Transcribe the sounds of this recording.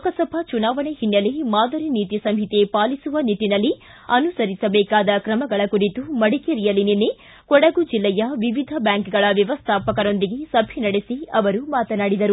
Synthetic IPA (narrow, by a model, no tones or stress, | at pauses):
kɐsɐbʱɐt͡ʃunaːʋɐnehinːɐlemaːd̪ʱɐɾiniːt̪isɐmɦit̪epaːlisuʋɐnit̪ːinɐlːi | ɐnusɐɾisɐbɛːkaːd̪ɐkɾɐmɐɡɐɭɐkuɾit̪umɐɽikeɾijɐlininːe | kɔɽɐɡud͡ʒilːɛjɐʋiʋid̪ʱɐbjaːŋkɡɐɭɐʋjɐʋɐst̪ʰaːpɐkɐɾo̞nd̪iɡe̞sɐbʱinɐɽesiɐʋɐɾumaːt̪ɐnaːɽid̪ɐɾu